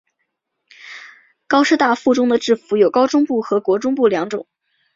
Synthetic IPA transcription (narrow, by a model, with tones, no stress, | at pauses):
kɑ˥ʊʂɻ̩˥t̪a˥˧fu˥˩ʈ͡ʂʊ˥ŋd̪ə˨ʈ͡ʂɻ̩˥˩fu˧˥jo˨˩ʊkɑ˥ʊʈ͡ʂʊ˥ŋpu˥˩xɤ˧˥kwɔ˧˥ʈ͡ʂʊ˥ŋpu˥˩ljɑ˧˥ŋʈ͡ʂʊ˨˩˦ŋ